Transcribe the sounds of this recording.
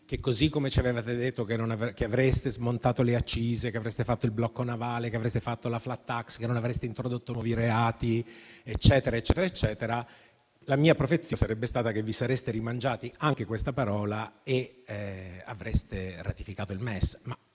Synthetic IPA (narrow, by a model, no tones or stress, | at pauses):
k̟ekːozikːomet͡ʃiavevat̪ed̪et̪ːokenːonavkeavɾest̪ezmont̪aːt̪oleat͡ʃːiːzekeavɾest̪efat̪ːoilblɔkːonavaːlekeavɾest̪efat̪ːolaflat̪ːakskenːonavɾest̪eint̪ɾod̪ot̪ːonwɔːviɾeaːt̪iet͡ʃːɛːt̪eɾaet͡ʃːɛːt̪eɾaet͡ʃːɛːt̪eɾa | lamiːapɾofet̪sːisaɾɛbːest̪aːt̪akevːisaɾest̪eɾimand͡ʒaːt̪iaŋk̟ekwest̪apaɾɔːlae | a̰vɾest̪era̰t̪ifikaːt̪oilmɛsma